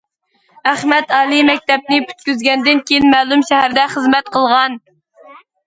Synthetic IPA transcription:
æχmɛt̪ɑːlˠimɛk̚ʲt̪ɛp̚nɪpʲʰy̥t̪̚kʲyzɡʲɛnd̪ɪnkʲejinmæːlˠumʃɛhæɾd̪ɛχəzmɛt̪̚qʰəlˠʁɑn

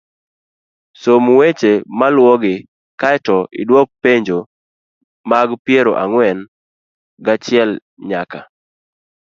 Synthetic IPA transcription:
somuwet͡ʃemalwɔɡɪ | kaɛtɔʔɪ̰dwɔk̚peɲd͡ʒo | maɡpɪeɾoʔaŋwɛn | ɡat͡ʃɪɛl | ɲaka

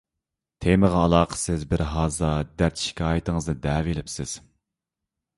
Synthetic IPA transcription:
t̪ʰeməʁɑːlˠɑːqʰə̥sɪzbɪɾɦɑːzɑd̪æɾt̪ʰi̥ʃkʲɑːjt̪əŋəznɨd̪ɛːvelɪpsɪz̥

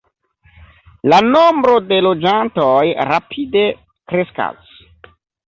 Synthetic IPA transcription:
lano̞mbɾo̞de̞lo̞d͡ʒanto̞jɾapʰide̞ | kɾe̞ska̰s

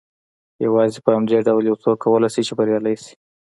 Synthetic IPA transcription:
jawɑzepəhamd̪eɖawljawt͡sokːawəlajsit͡ʃebaɾjɑlajsi̥

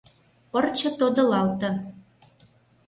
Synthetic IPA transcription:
pɤrt͡ɕɤ̆t̪od̪ɤ̆lɑlt̪ɤ̆

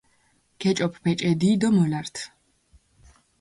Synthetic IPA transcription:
ɡ̥ɛt͡ʃʼɔpʰpɛt͡ʃʼɛd̪iːd̪ɔmɔlaɾt̪ʰ

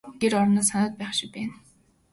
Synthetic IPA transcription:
ɡ̥eɾɔɾnaːsanʊːt̪̚pæːχʃɪ̆k̚p̪æːn

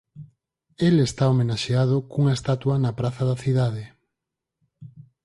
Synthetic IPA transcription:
elest̪aomenaʃeað̞okuŋaest̪at̪wɐnapɾaθɐðɐθiðaðe

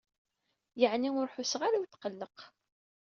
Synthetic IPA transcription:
jəʕniʊɾħʊsʁaɾawit̪ːqəlːəq

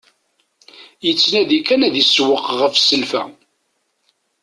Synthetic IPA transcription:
jət͡sːnæðikænæðiswəqːʁəfsəlfæ̰

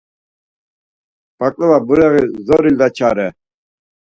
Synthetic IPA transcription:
b̥akʼlɛvabuɾɛʁizɔɾild̪at͡ʃʰaːɾɛ

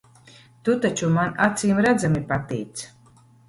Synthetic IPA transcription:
t̪ut̪at͡ʃumanat̪siːmɾad̪zamipat̪ijt̪s

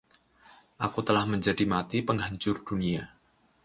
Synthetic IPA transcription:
ʔakut̪əlahməɲd͡ʒadimat̪ipəŋɦaɲt͡ʃʊrd̥unia

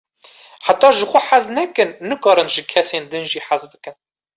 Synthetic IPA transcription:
ħat̪ɑːʒɨxʷʊħaznɛkɨnːɨkɑːɾɨnʒɨkʰɛseːnd̪ɨnʒiːħazbɨkɨn

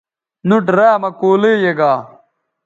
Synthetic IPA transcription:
nuʈɾaːmɐkoːleːjeɡaː

